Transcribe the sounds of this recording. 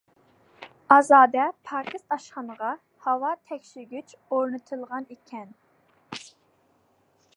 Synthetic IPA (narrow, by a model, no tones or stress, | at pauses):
ɑzɑːd̪ɛpʰɑːkʲʰɨst̪ʰɑʃχɑnəʁɑ | hɑwɑt̪ʰɛkʲʃiɾɡʲyt͡ʃoɾnɨt̪ʰɨlˠʁɑnekʲʰɛn